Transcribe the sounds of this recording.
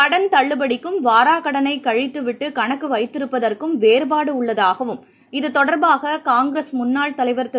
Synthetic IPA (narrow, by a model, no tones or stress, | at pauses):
kɐɽɐnt̪ɐɭːɯbɐɽɪkːɯmʋaːɾaːkɐɽɐnɐɪkɐɻɪt̪ːɯʋɪʈːɯkɐɳɐkːɯʋɐɪt̪ːɪɾɯpːɐðɐrkɯmʋeːɾbaːɽɯʊɭːɐðaːɣɐʋɯm | ɪðɯt̪ɔɽɐɾbaːɣɐkaːŋɡɾeːsmʊnːaːɭt̪ɐlɐɪʋɐɾt̪ɐ